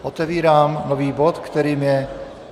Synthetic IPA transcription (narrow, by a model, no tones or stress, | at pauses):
ʔɔt̪ɛʋiːɾaːmnɔviːbɔt̪kt̪ɛɾiːmjɛ